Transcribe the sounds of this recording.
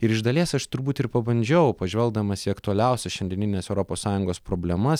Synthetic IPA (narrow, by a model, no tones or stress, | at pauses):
ɪɾɪʒd̪ɐlʲiɛsɐʃt̪ʊɾbuːt̪ɪɾpɐbɐnʲd͡ʒʲɛʊpɐʒʲʋʲɛlˠɡ̚d̪ɐmɐsʲɪɐkt̪uɐlʲɛˑʊsʲɛʃʲɛnd̪ʲɪɛnʲɪnʲeɛːsɛʊɾopoːssɑːjʊŋɡoːspɾoːbʲlʲɛmɐs